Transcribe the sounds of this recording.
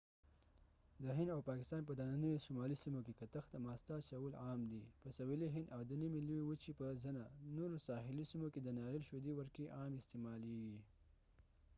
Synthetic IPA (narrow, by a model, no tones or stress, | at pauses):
d̪əɦɪnd̪awpɑkɪst̪ɑnp̬əd̪ananəjosʊmɑlisimokekat̪əxd̪əmɑst̪at͡ʃawəlɑmd̪ipəsawiliɦɪnd̪awd̪ənimiluwiwət͡ʃipəzənanoɾosɑɦɪlisimoked̪ənɑɾelʃod̪iwəɾkeʔɑmɪst̪emɑleɡi